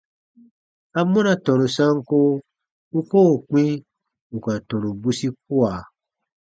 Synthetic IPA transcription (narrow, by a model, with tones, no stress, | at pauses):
a˦mɔ̃˦nã˨tɔ̃˨ɾũ˨sã˦ŋko˦ | u˦ko˦˨k͡pĩ˦ | u˨ka˨tɔ̃˨ɾũ˨bu˦si˦k̚u˦a˨